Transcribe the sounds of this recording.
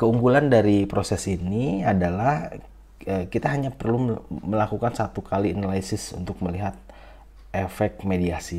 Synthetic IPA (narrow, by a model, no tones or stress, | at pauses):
kəuŋɡulandaɾipɾosɛsiniadalah | əːkit̪aɦaɲapərluməlakukansat̪ukalianalaisɪsṵnt̪ʊk̚məliɦat̪̚ | efɛk̚t̪̚mediasi